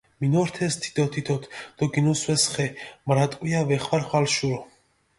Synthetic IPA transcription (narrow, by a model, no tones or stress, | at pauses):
minɔɾt̪ʰɛst̪ʰi̥t̪ʰɔt̪ʰit̪ʰɔt̪ʰd̪̥ɔɡinɔswɛsχɛmɾat̪ʼkʼwijavɛχwaɾχwalʃuɾɔ